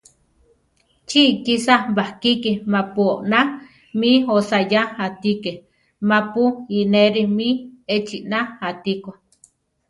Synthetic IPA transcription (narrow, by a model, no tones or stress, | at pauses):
t͡ʃikisabahkikimapuoʔna | miosajaat̪ike | mapuineɾimiet͡ʃiʔnaat̪ikʷo